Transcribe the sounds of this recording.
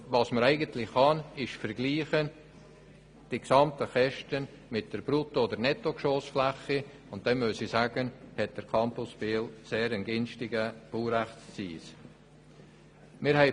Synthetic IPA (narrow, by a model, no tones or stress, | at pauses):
vɑsməɾæɪɡəntlɪχχɑnɪʃfəɾɡliːχən | d̥iksɑmtəχɛʃtən | mɪt̚d̥əɾb̥ɾutoːdəɾnɛtːokʃoːsflæχi | ʊnt̚d̥ɛmmøsisæːɡ̥ənhɛt̚d̥əɾkʰɑmpʊsbeːlseːɾənɡɪnstɪɡəb̥uːɾæχst͡sḭːs | mɪɾhɛɪ